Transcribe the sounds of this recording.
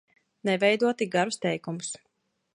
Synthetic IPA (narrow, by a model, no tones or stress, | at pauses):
nɛvɛjd̪uɔt̪iɡaɾust̪ɛjkumus